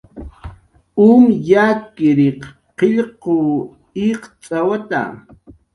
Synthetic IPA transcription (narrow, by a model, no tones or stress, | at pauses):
umjakɪɾɪq | qeʎqo | iqt͡sʼawat̪a̰